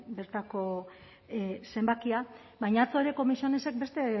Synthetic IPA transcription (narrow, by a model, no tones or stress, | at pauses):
be̞ɾt̪ako̞ | se̞mbakia | bajɲat͡soeɾe̞ko̞misione̞se̞k̚be̞st̪e̞